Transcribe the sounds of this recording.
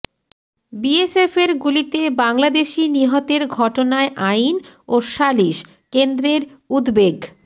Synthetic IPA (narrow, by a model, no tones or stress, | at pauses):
biesefeɾɡulit̪ebaŋlad̪eʃiniɦot̪eɾɡʱɔʈonaeʔajnoʃaliʃ | kend̪ɾeɾud̪beɡ